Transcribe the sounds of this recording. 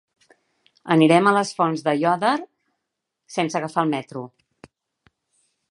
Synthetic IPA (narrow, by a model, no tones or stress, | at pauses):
əniɾɛmələsfɔnzðəjɔðəɾ | sensəɣəfaəlˠmɛt̪ɾu